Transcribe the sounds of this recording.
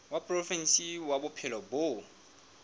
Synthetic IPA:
wapʼrɔfɛnsiwabʊpʰɛlɔbo

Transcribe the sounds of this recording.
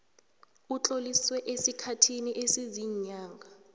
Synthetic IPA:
ut͡ɬʼoliswɛʔesikʰatʰiniʔesiziɲaːŋɡʱa

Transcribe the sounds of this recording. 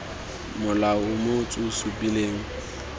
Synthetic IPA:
mʊlaʊmot͡sʼʊsupʼileːŋ̩

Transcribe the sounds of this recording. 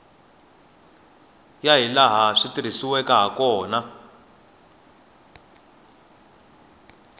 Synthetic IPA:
jaɦilaɦaʂitiɾ̤isiwɛkaɦakɔːna

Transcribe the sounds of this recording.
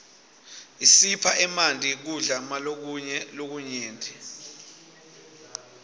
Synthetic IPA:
isipʰaʔɛmantʼik̬uɮamalok̬ɛlok̬uɲeːntʰʼi

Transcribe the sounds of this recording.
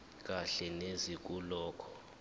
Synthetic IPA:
k̬ʼaɬɛnezik̬ʼulɔːkʰɔ̥

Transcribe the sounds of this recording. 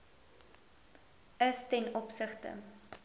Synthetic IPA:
əstɛnɔpsəχtə̰

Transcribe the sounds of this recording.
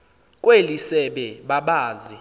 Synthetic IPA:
kʼwelisɛɓɛɓaɓaːzi

